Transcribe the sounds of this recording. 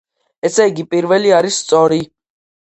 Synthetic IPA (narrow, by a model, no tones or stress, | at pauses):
ɛsɛiɡipʼiɾvɛliaɾisːt̪sʼɔɾi